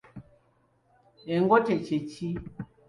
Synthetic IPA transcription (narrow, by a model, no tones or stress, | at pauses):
ɛŋɡɔtɛt͡ʃet͡ʃi